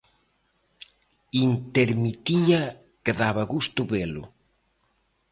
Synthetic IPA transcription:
int̪eɾmit̪iɐ | keðaβaɣust̪ʊβelʊ̰

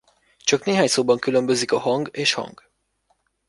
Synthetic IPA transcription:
t͡ʃɒkneːɦaːɲsoːbɒŋkylø̞mbø̞zikɒhɒŋɡeːʃhɒ̰ŋɡ

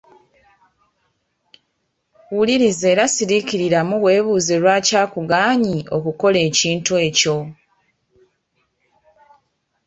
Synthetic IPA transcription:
wuliɾize̞ːɾasiɾiciɾiɾamuwe̞ːβuːzelwaːcaːkuɡaːɲio̞̰kuko̞le̞ːciːntue̞ːco̞

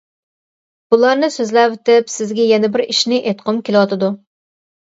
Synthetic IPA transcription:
b̥ulˠɑɾnɨsøzlæwɪt̪ɪpsɪzɡʲɛjɛnɛbɪɾiʃnɪʔet̪qʰɨmkʲʰelɨwɑt̪ɨd̪u

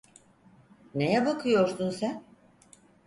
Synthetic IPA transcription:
nejɛbakʰɯjo̞ɾsunsæn

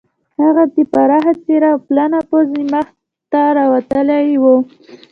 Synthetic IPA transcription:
haɣat̪ipaɾaɦat͡seɾaplanapozimax | t̪aɾawat̪əlajwo

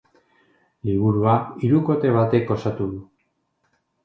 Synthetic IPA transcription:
liβ̞uɾuaiɾuko̞t̪e̞β̞at̪e̞ko̞sat̪uðu

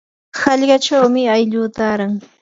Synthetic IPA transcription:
hɑʎɢɑt͡ʃawmɪajʎʊːt̪aːɾaŋ

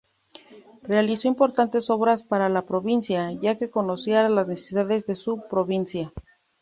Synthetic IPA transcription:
re̞aliso̞impo̞ɾt̪ant̪e̞so̞βɾaspaɾalapɾo̞βinsjaʝake̞ko̞no̞sjeaɾalaznese̥siðaðe̞zðe̞supɾo̞βinsja

